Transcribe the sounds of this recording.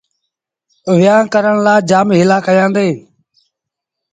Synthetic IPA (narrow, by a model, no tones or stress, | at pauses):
ʋɪjãːkəɾəɳ̃laːd͡ʒaːmɦɪlaːkəjãːnd̪eː